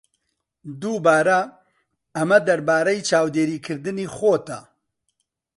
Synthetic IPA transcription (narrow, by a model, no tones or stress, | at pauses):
d̪uːbaːɾɐ | ɐmɐd̪ɐɾbaːɾɐjt͡ʃʰaːwd̪eːɾiːkʰɨɾd̪ɨniːxoːt̪ɐ̰